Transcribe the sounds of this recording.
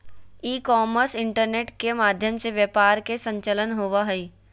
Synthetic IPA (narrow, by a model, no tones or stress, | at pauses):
iːkɔːməɾsɪ̃ɳʈəɾneːʈkemaːd̪ʱjəmseʋjəpaːɾkesə̃ɲt͡ʃələnɦoʋaɦəi